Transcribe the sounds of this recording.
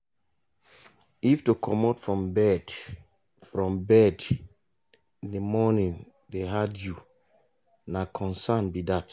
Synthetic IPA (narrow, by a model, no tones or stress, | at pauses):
iftukʰɔmatfɹɔ̃mbɛd | fɹɔ̃mbɛd | nəmɔnĩn | deɦadju | nakʰɔ̃nsanbidat